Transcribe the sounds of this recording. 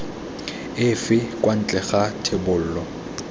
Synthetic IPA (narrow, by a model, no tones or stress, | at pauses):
ɪfɪkʼwan̩t͡ɬʼɛχatʰebʊl̩ːlɔ